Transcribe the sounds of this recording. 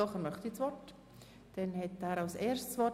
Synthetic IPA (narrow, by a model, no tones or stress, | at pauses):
ɔχəɾmœχt̪it͡sʋɔrt | d̥ɛnhɛtæːɾɑlseːɾstsʋɔ